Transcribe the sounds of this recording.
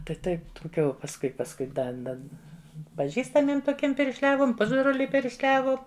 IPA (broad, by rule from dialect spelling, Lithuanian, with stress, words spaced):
tɐɪp ˈtɐɪp tʊˈkʲuː pɐsˈkʊɪ pɐsˈkʊɪ ˈdɐ ˈdɐ pɐˈʒʲiːstɐmʲiɛm toːˈkʲiɛm pʲɪrʲʃʲˈlʲæːʋoːm ˈpʊzbroːlʲʊɪ pʲɪrʲʃʲˈlʲæːʋoːm